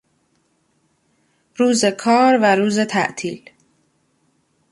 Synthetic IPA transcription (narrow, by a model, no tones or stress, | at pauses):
ɾuːze̞kʰɒːɾvæɾuːze̞t̪ʰæ̰ʔt̪ʰiːl